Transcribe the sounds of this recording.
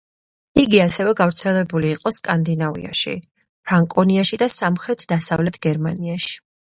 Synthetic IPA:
iɡiasɛvɛɡavɾt̪sʰɛlɛbuliːqʼɔskʼand̪inavḭa̰ʃḭ | pʰɾaŋkʼɔniaʃid̪asamχɾɛt̪ʰd̪asa̰vlɛt̪ʰɡɛɾmaniaʃi̥

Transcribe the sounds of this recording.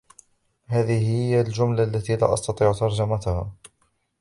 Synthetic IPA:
haːðɪɦɪjːald͡ʒʊmlaʔalːat̪iːla̰ːʔɑ̰st̪ɑt̪ˤiːʕt̪ɑɾˤd͡ʒamat̪ʊhaː

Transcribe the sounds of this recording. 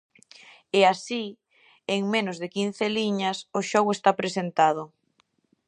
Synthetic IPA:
easi | eŋmẽnʊzðɪkin̟θeliɲɐsʊʃɔɣwest̪apɾesent̪að̞ʊ

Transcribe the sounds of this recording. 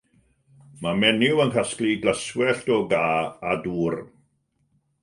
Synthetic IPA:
mamɛnɪwənkʰaskliɡləswɛɬtɔɡaːaduːr

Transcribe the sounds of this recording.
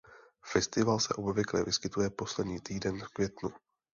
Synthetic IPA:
fɛst̪ɪvalsɛ̰ʔo̞bvɪklɛvɪskɪt̪ujɛpo̞slɛdɲiːt̪iːdɛnfkvʲjɛt̪nu

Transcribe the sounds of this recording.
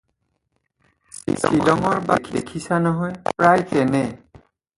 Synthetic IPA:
sḭsilɔŋɔɹba̰kʰdekʰisanɔɦɔjpɹajkɛnɛ

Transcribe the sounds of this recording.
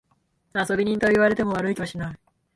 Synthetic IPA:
aso̞bʲiɲ̟ĩnt̪o̞iβaɾe̞t̪e̞mo̞βaɾɯikʲiβaɕinai

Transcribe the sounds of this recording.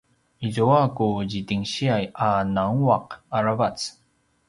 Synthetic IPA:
izoakuʑitiŋɕiajanaŋuaq̚aɾavat͡s

